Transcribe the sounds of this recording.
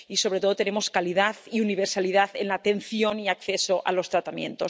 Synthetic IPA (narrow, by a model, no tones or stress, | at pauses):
iso̞β̞ɾe̞t̪o̞ð̞ot̪enemo̞skaliðaθiuniβ̞eɾsaliðaθenlat̪e̞n̟θjo̞niak̚θe̞so̞ʔa̰lo̞st̪ɾat̪amjẽ̞̰nt̪o̞s